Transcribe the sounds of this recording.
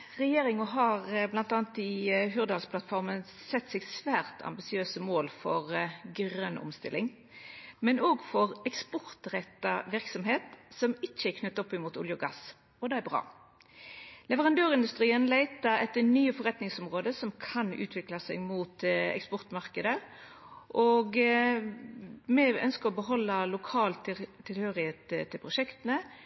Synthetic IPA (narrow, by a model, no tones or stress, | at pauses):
ʁɛjeːɾɪŋɔɦɑʁblɑnt̪ɑːɑnt̪ɪɦʉʁd̪ɑlsplɑt̪fɔʁmən | sɛt̪ːsɛɡsʋæːʁt̪ʰɑ̰mbɪsɪøːsəmoːlfɔʁɡɾœnʔʊ̰mst̪ɪ̰lːɪŋ | mɛnoːɡfɔʁɛkspɔʁt̪ʁɛt̪ːɑʋɪʁksɔmɦeːt̪sɔmɪt͡ʃːəækʰnʉt̪ːɔpːɪmuːt̪ʊ̰ljʊɡɑ̰s | ɔd̪ɛːæʁbʁɑ̰ː | lɛʋəʁɑnd̪øːʁɪnd̪ʉst̪ʁiːənlæɪt̪əɛt̪ːənyːəfɔɾʁɛt̪nɪŋsɔmʁoːd̪əsɔmkʰɑnʉ̰ːt̪ʰʋɪklɑsɛɡmuːt̪ɛ̰kspɔʁt̪mɑʁkəd̪ə | ʔoːɡ | mɛœ̰nskəʁɔbəɦɔlːəlʊkʰɑːlt̪t̪ʰːɪlhøːʁɪheːt̪t̪ʰːɪlpʰʁʊʃɛkt̪ənə